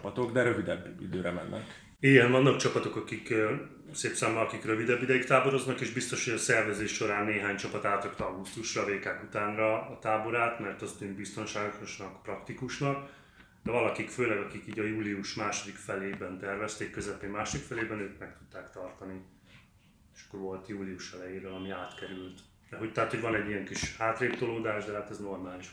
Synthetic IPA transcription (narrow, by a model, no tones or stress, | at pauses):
pɒt̪oɡd̪ɛɾøvid̪ɛbːḭd̪øːɾɛmɛ̰nːɛ̰k | iːɡɛɱvɒnːɒkt͡ʃɒpɒt̪o̞kɒkik | seːpsaːmːɒɒkikrøvid̪ɛbːid̪ɛjik̚t̪aːbo̞ɾo̞znɒkeːʒbist̪o̞ʃhoɟɒsɛrvɛzeːʃːo̞ɾaːnːeːɦaːɲt͡ʃɒpɒt̪aːt̪rɒkt̪ɒɡust̪uʃrɒveːkaːkut̪aːnrɒːt̪aːbo̞ɾaːt̪mɛrt̪ɒst̪ymbist̪o̞nʃaːɡoʃnɒkprɒkt̪ikuʃnɒk | d̪ɛvɒlɒkikføːlɛɡɒkikiːɟɒjuːliuʃmaːʃo̞d̪ikfɛleːbɛnt̪ɛrvɛst̪eːkːøzɛpeːmmaːʃod̪ikfɛleːbɛnøːk̪mɛk̚t̪u̥t̪ːaːkt̪ɒrt̪ɒni | eʃɒ̥kːoɾvo̞lt̪juːliuʃɛlɛjeːɾølɒmiaːt̪kɛɾylt̪ | d̪ɛɦo̞c̚t̪ɛɦat̪hoɟvɒnɛɟːijɛŋkiʃaːt̪reːpt̪oloːd̪aːʒd̪ɛɦaːt̪ɛzno̞rmaːliʃ